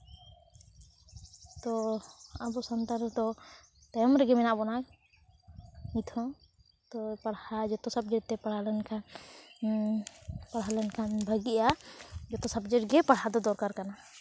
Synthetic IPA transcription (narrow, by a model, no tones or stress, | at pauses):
t̪ɔabɔsant̪aɾd̪ɔ | t̪ajɔmɾɛɡɛmɛnaʔbɔnak̚ | mit̪ʰɔ̃ | t̪ɔpaɽhad͡ʒɔt̪ɔsab̚d͡ʒɛʈ̚t̪ɛpaɽ̤alɛnkʰan | paɽɦalɛnkʰanbʱəɡiʔad͡ʒɔt̪ɔsabd͡ʒɛʈɡɛpaɽɦad̪ɔd̪ɔɾkaɾkana